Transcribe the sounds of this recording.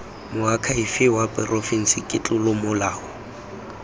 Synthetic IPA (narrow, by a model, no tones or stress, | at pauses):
mʊakʰaifɪwapʼɪrɔfin̩sɪkʼɪt͡ɬʼʊlʊmʊlaːhʊ